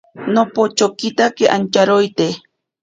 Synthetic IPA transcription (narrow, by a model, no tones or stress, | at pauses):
nopot͡ʃokit̪akeʔant͡ʃaɾojt̪e